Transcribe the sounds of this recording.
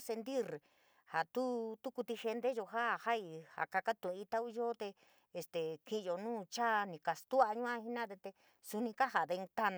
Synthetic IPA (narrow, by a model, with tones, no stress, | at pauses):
se˧nd̪i˦ɾ | ha˨t̪u˦t̪u˦ku˧t̪i˧he˧nd̪e˦ʒo˧ɦa˦˨ha˦i˧ha̰˨ka˧ka˦t̪ũ˨˧i˧t̪a˦u˦ʒo˦t̪eː˧ | st̪e˨ki˧jo˨nũː˦t͡ʃa˦nĩ˨ka˨st̪u˦a˧ɲũ˦ã˦hi˦nã˦t̪e˧t̪e˧ | su˧nĩ˧ka˦ɦa˨ðẽ˧k̪a˧n